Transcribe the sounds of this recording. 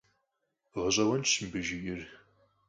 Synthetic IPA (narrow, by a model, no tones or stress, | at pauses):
ʁəɕʼɐwɐnt͡ʃɨmbɨʒɪʔɪr